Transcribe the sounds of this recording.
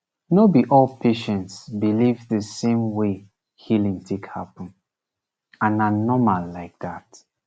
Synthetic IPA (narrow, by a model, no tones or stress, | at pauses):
nobiʔɔlpʰeʃɛ̃ntsbilivðəsẽmwe | hilĩŋtʰekhapɔ̃n | ãnanɔmalːaɪk̚ðat